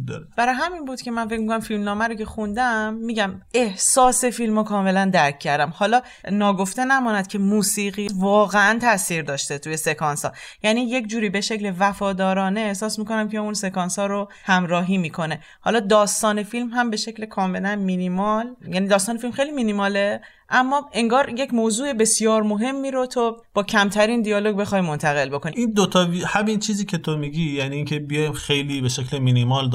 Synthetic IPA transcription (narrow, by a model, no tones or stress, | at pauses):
d̪̰b̥æɾɒːjɦæminbuːd̪̥cʰʲe̞mænfe̞cmiɡumæmfilmnɒːmæɾoce̞xund̪æmːiːɟæme̞hsɒːse̞filmɒkʰɒːme̞lænd̪æɾcʰːæɾd̪æmhɒːlɒː | nɒːɡo̞ft̪enæmɒːnæd̪̥cʰe̞muːsiːɣiːvɒːɣeænt̪ʰæsiːɾd̪ɒːʃt̪et̪ʰuje̞sekʰɒːnsɒ̰ː | jæːniːje̞cd͡ʒuːɾiːbe̞ʃe̞clevæfɒːd̪ɒːɾɒːneːhsɒːsmiko̞næmcʰeunse̞kɒnsɒːɾo | hæmɾɒːɦiːmiːkʰo̞ne̞ | hɒ̰ːlɒːd̪ɒːst̪ɒːne̞filmɦæmbe̞ʃe̞cʰle̞kʰɒːme̞lænminimɒljæːnid̪ɒːst̪ɒːnefilmxe̞jliminimɒːle̞ | ʔæmːɒːe̞ŋɡɒːɾje̞cʰmoːzuːe̞be̞sjɒːɾmoɦe̞mːiːɾot̪ʰob̥ɒːcʰæmt̪ʰæɾiːnd̪ijɒːloɡbe̞xɒːjmo̞nt̪ʰæɣe̞lbo̞kʰoniind̪ot̪ʰɒːihæmint͡ʃʰiːziːcʰe̞t̪ʰomiɡiːjæniːŋcʰe̞bijɒjxejliːbeʃecleminimɒl